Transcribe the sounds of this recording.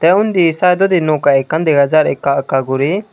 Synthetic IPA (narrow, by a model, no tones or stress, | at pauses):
t̪ɛʊnd̪isaːjd̪ɔd̪inokaekːãnd̪eɦɐzaːɾekːakaɡʊɾi